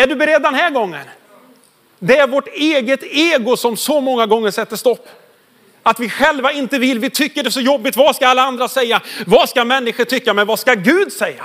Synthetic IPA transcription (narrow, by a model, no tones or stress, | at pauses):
æɖɵbɛɾɛd̪ːɛnɦæːɾɡɔŋːə̰n | d̪ɛæɾvɔʈeːɡət̪eːɡʊsɔmsɔmɔŋːaɡɔŋːəʂɛt̪ːəʂt̪ɔpː | at̪vɪɧɛlvaɪnt̪əvɪlːvɪt̪ʰʏkːəɖɛsɔjɔbːɪt̪vaskaɾalːaand̪ɾasɛjːavaskamɛnːɪɧəʈʰʏkːamɛnvaskaɡʉ̟ːd̪sɛjːa̰